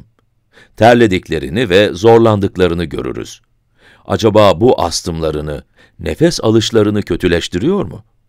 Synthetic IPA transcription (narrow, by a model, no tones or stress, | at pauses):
t̪ʰæɾlʲe̞d̪iclʲe̞ɾḭnivɛzo̞ɾlˠand̪ɯklˠaɾɯnɯɟø̞̰ɾy̰ɾy̰z̥ | a̰d͡ʒabaːbuʔast̪ʰɯmlˠaɾɯnɯ | nefɛsa̰lˠɯʃlˠaɾɯnɯcʰø̞t̪ʰylʲɛʃt̪ʰiɾijo̞ɾmʊ̰